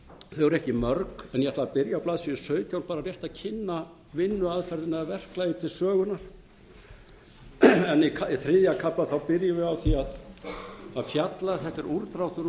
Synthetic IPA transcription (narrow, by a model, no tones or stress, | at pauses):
θœɣʏɾɛhcɪmœɾkɛnjɛɛt̪lavapɪɾjawplaːðsiʏ̥sœːɥcawnpaːɾarjɛht̪aðcʰɪnːa | vɪnːʏaðfɛɾðɪnːaɛvɛr̥klajʏt̪ʰɪlsœːɣʏnaɾ̥ | ɛnkʰaiθɾɪðjakʰaplaθawpɪɾjɪvɪɣawθiað | aðfjat̪laɾ̥θɛht̪ːɛɾʔuɾt̪ɾawt̪ʏɾ